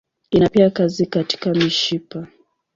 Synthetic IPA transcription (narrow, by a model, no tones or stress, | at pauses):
inapiakazikati̥kamiʃipa